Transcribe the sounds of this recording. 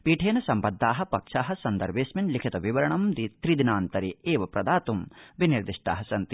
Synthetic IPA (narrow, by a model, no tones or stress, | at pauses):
piːʈʰeːnɐsɐmpɐd̪ʱːaːɦɐ̆pɐkʂaːɦɐ̆sɐnd̪ɐ̰ɾʋeːsmɐnlikʰit̪ɐʋiʋɐɾɐɳɐmd̪it̪ɾid̪inaːnt̪ɐɾieːʋɐpɾɐd̪aːt̪umʋiniɾd̪iʂʈa̰ːɦɐsɐnt̪i